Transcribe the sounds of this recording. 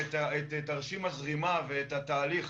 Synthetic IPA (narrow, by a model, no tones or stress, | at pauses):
t̪aet̪etaʁʃimazʁimaveet̪at̪aːliχ